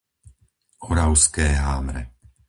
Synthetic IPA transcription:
ɔɾaʊskɛːɦaːmɾɛ̰

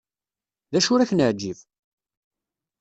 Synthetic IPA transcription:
ðæʃʊɾæçnəʕd͡ʒiv

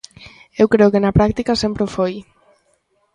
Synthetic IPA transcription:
ewkɾeokenapɾak̚t̪ikasempɾeufoj

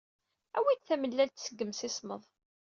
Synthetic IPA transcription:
æwid̪θæməlːælt̪səɡːəmsɪsˤməðˤ

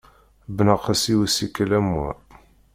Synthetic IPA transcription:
bənɑqæsiwisikːəlæmæ̰

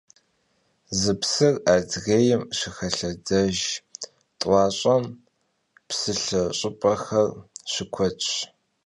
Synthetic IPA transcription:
zɨpsɨradɣeːjɪmɕɪxɐɬɐdɐʒ | tʼwɑːɕʼɐm | psɨɬɐɕʼɪpʼɐxɐrɕɪkʷʰɔt͡ʃʼ

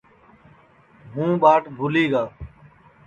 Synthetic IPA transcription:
ɦũːɓaːʈbʱʊliːɡaː

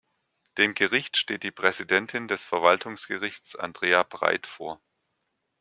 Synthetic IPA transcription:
d̥eːmɡəʁɪçtʃteːt̚d̥iːpʁ̥ɛzidɛntʰɪndɛsfɛɐvaltʰʊŋsɡ̥əʁɪçt͡sa̰ndʁeːab̥ʁa̰ɪtfoːɐ

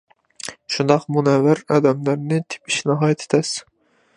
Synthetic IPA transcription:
ʃund̪ɑqmunɛvæɾɑd̪ɛmlæɾnɪt̪ʰɪ̥pi̥ʃnɨɦɑjɛt̪ʰe̥t̪ʰɛs

